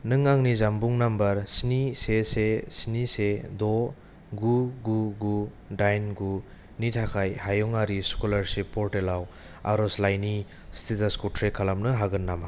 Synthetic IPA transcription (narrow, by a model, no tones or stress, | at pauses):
nɯŋaŋnizambuŋnambɐɾsnisesesnisedɔ | ɡuɡuɡu | dajnɡu | nitʰakʰajhajɔŋaɾiskulaɾsipʰːɔɾtelaw | a̰ɾɔslajni | stʰitaskutʰɾekʰalamnɯɦaɡɯnːama